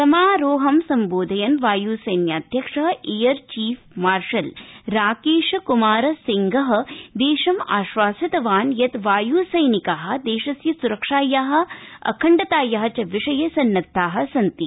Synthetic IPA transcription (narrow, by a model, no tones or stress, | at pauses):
sɐmaːɾoːɦɐmsɐmboːd̪ʱɐjɐnʋaːjuːsɐjnjaːd̪ʱjɐkʂɐɦɐʔiːjɐɾt͡ʃiːfʰmaːɾʂɐlɾaːkeːʃɐkumaːɾɐsiŋɡɐɦɐ̆d̪eːʂɐmaːʃʋaːsɐt̪ɐʋaːnjɐt̪ʋaːjuːsɐjnikaːɦɐ̆d̪eːʃɐsjɐsuɾɐkʂaːjaːɦɐ̆ɐ̰kʰɐɳɖɐt̪aːjɐɦɐ̆t͡ʃɐʋiʂɐjɐsɐnːɐt̪ːaːɦɐ̆sɐnt̪i